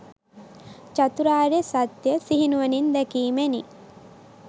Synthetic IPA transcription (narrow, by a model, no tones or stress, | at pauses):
t͡ʃat̪uɾaːɾesat̪jəsiɦinuʋənind̪ɛkiːmeni